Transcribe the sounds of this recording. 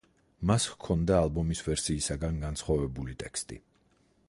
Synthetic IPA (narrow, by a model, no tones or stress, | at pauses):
maskʰɔnd̪aːlˠbɔmisvɛɾsiːsaɡanɡansχwavɛbulit̪ʼɛkst̪ʼḭ